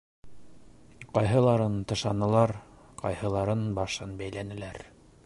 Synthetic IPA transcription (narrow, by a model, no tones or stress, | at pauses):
qɑjɦɤ̆lˠɑɾɤnt̪ɤ̆ʃɑnɤ̆lˠɑɾ | qɑ̰jhɤ̆lˠɑɾɤnbɑʃɤnbæjlænɘ̆læɾ